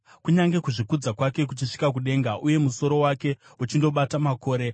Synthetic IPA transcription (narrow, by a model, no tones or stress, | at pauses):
kuɲaŋɡe̞kuʐikud͡zakwake̞k̬ut͡ʃiʂi̥kak̬uɗe̞ːŋɡaʔuje̞muso̞ɾo̞wake̞ut͡ʃindo̞ɓatamako̞ːɾe̞